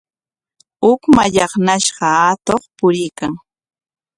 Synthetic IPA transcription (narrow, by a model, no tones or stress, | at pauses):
ʊkmaʎɑχnaʃɢɑat̪oχpʊɾɪjkaŋ